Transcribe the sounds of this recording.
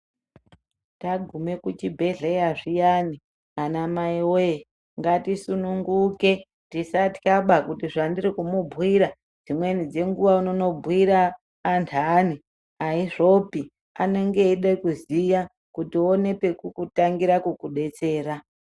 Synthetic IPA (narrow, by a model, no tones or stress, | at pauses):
taɡʱume̞kut͡ʃibʱe̞ɮejaʐijani | anamaiwoe | ŋɡatisunuŋɡuke̞ | tisati̥kaɓakutiʐandiɾikumubʱwiɾa | d͡zimwe̞nid͡ze̞ŋɡuʋaunono̞bʱwiɾaː | ntʰani | aiʐo̞pi | a̰ne̞ŋɡe̞iɗekuzija | kutione̞pe̞kukutaŋɡiɾakukuɗe̞t͡se̞ːra